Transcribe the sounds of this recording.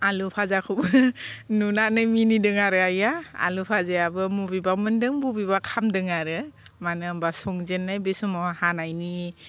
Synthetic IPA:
alupʰazakʰubɯnunanɯminidɯŋaɾɯajaa̰lupʰazeabɯmubibamɯndɯŋbubibakʰamdɯŋaɾɯmanɯmbasɔŋzenːajbisumɔhanajni

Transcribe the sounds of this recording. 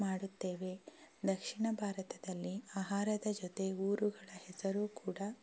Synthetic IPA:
maːɽut̪ːe̞ːʋe̞d̪ɐkʂiɳɐbʱaːɾɐt̪ɐd̪ɐlːiaːɦaːɾɐd̪ɐd͡ʒɔt̪e̞uːɾuɡɐɭɐhɛsɐɾuːkuːɽɐ

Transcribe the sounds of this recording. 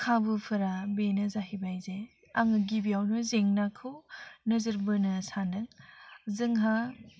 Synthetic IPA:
kʰabɯpʰɯɾabenɐzaɦibajze | aŋɯɡibiawnɯzeŋnakʰɯwnɐzɯɾbɯnɐsanɯŋzɯŋɦa

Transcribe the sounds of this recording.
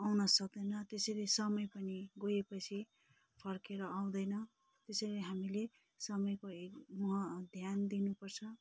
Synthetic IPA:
awnʌsʌk̚d̪ʌjnʌt̪esejlesʌmʌjpʌniɡojepʌt͡sʰi | pʰʌrkeɾʌaw̃d̪ʌjnʌ | t̪esʌleɦamile | sʌmʌjkoekmuɦʌd̪ʱjand̪inupʌrt͡sʰʌ

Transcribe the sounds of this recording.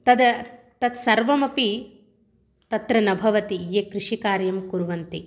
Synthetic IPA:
t̪ɐd̪ɐ | t̪ɐt̪sɐɾʋɐmɐpi | t̪ɐt̪ɾɐnɐbʱɐʋɐt̪ijekɾɪʂikaːɾjɐmkuɾʋɐnt̪i

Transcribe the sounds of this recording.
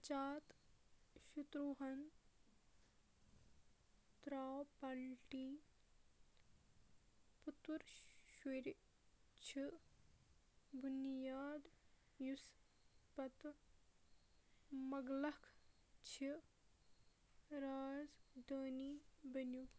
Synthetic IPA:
t͡ʃaːt̪ | ʃut̪ɾuɦɐn | t̪ɾaːwpalʈiː | put̪ʋɐɾʃeɾi | t͡ʃʰi | bunjaːd̪ | jus | pɐt̪ | mɐɡlɐkʰ | t͡ʃʰi | ɾaːzd̪əːniːbɐnju

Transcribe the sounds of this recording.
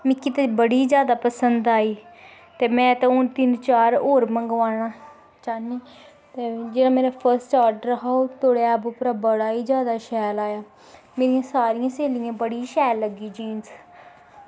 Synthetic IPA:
mɪkːiːt̪ebəɽiːzjaːd̪aːpəsənd̪aːiː | t̪eːmɛ̃ːt̪ẽːʊnt̪ɪnt͡ʃaːɾoːɾməŋɡʋaːɽ̃aː | t͡ʃaːniː | t̪eːd͡ʒeːɽaːmeːɾaːpʰəɾsʈaːɾɖəɾəɦaːot̪ʰoːɽeɛːbʊpɾaːbəɽaːiːzjaːd̪aːʃɛːlaːjaː | meːɾijãːsaːɾɪjãːseːlɪjãːbəɽiːʃɛːlːəɡiːd͡ʒiːns

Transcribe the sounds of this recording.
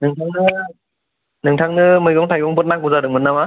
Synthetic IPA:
nɯŋtʰaŋnɯ | nɯŋtʰaŋnɯmɯjɡɔŋtʰajɡɔŋbʰɔt̚nak̚uzadɯŋmɯnama

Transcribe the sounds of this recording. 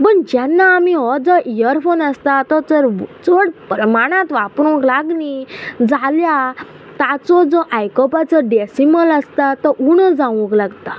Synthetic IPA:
bəɳd͡ʑɛnːaːmiɦɔd͡zɔʔijəɾfonəst̪at̪ɔt̪əɾt͡səɽpɾəmaɽ̃ãt̪ʋapɾũklaɡnid͡zalja | t̪at͡sɔd͡zɔʔajkɔpat͡sɔɖɛsiməlast̪at̪ɔuɳəd͡zãʋə̃klaɡt̪a

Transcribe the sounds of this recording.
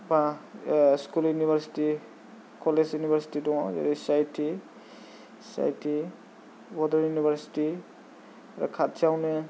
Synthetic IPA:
bã | skuljunibʱaɾsi̥ti | kɔlesjunibʱəɾsi̥tidɔ̃ŋza̰ɾisajtʰi | sa̰jtʰi | bɔdəɾjunibʱəɾsi̥ti | ɾa̰kʰat̚sawne

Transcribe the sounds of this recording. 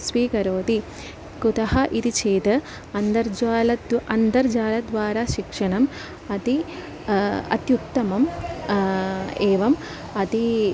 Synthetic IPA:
sʋiːkɐɾoːt̪i | kut̪ɐɦɐʔit̪it͡ʃʰeːt̪ɐ | ɐnd̪ɐɾd͡ʒaːlɐd̪ʔɐnd̪ɐɾd͡ʒaːlɐd̪ʋaːɾaːʃikʂɐɳɐm | ɐt̪i | ɐ̰t̪juk̚t̪ɐmɐm | eːʋɐm | ɐt̪i

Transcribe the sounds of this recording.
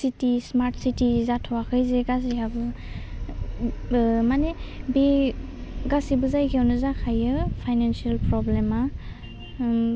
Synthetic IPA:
sitismaɾtsitizatʰɔwakʰɯjzeɡasiabɯ | manebe | ɡasibɯzajɡʰawnɯzakʰajɯpʰajnansialpɾɔblema

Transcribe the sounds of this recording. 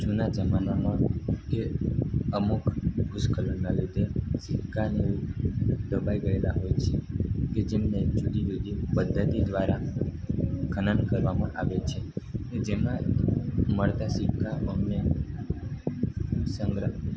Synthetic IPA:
d͡ʒunad͡ʒəmanamãkeəmukʰɡʱuskələnnalid̪ʱesɪkʰːani | d̪əbajɡəelaɦojt͡ʃʰeked͡ʒemned͡ʒud̪ijud̪ipəd̪ʱːət̪id̪ʋaɾa | ɡʰʱənənkəɾʋamãʔaʋet͡ʃʰeed͡ʒemã | məɭt̪asɪkʰːaəmne | səŋɡɾə

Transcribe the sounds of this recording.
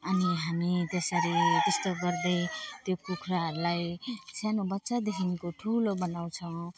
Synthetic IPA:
ʌniɦamit̪esʌɾit̪est̪oɡʌrd̪et̪jokukʰɾalajsanobʌt̪ːsad̪ekʰinkoʈʰulobʌnaw̃t͡sʰʌw̃

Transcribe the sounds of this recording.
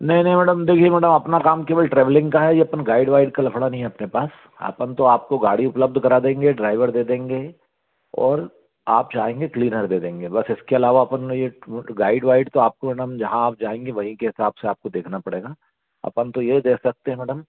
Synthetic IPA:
nɐɦĩnɐɦĩmɛːɖəmd̪eːkʰiemɛːɽəmɐpnakaːmkeʋəlʈɾɛːʋəlɪ̃ŋɡkaɦɛjeɐpənɡaːɪɖʋaːɪɖkalɐfʰɽanɐɦĩɦɛɐpnepaːs | ɐ̰pənt̪oaːp̚koɡaːɽiʊpləb̚d̪ʱkɐɾad̪ẽːŋɡeɖɾaːɪʋəɾd̪eːd̪ẽːŋɡe | ɔ̰ːɾ | a̰ːp̚d͡ʒaːɦẽːŋɡekliːnəɾd̪eːd̪ẽːŋɡebɐsɪskeɐlaːʋaɐpənjeɡaːɪɖʋaːɪɖt̪oaːp̚komɛːɖəmd͡ʒɐɦãaːp̚d͡ʒaːẽːŋɡeʋɐɦĩkeɦɪsaːb̥seaːp̚kod̪eːkʰnapɐɽeːɡaː | ɐ̰pənt̪ojed̪eːkʰsɐk̚t̪eɦɛ̃mɛːɖəm

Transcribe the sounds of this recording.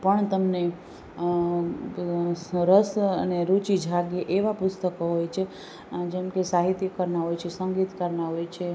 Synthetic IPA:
pəɳt̪əmne | ɾəsəneɾut͡ʃid͡ʒʱaɡeʔeʋapʊst̪əkoɦojt͡ʃʰe | d͡ʒemkesaɦit̪jəkəɾnaɦojt͡ʃʰesəŋɡit̪kəɾnaɦojt͡ʃʰe

